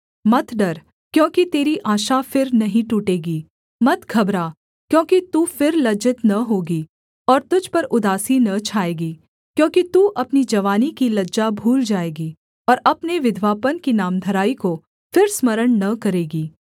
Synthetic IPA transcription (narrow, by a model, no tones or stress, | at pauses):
mɐt̪ʰɖɐɾ | kjõːkit̪eːɾiʔaːʃafɪɾnɐɦĩʈuːʈeːɡiː | mɐt̪ɡʱɐbɾaː | kjõːkit̪uːfɪɾlɐd͡ʒɪt̪nɐɦoːɡiː | ɔːɾt̪ʊd͡ʒʱpɐɾʔʊd̪aːsinɐt͡ʃʰaːeːɡiː | kjõːkit̪uːʔɐpnid͡ʒɐʋaːnikilɐd͡ʒabʱuːld͡ʒaːeːɡiː | ɔːɾɐpneʋɪd̪ʱʋaːpənkinaːmd̪ʱɐɾaːiko | fɪɾsmɐɾəɳnɐkɐɾeːɡiː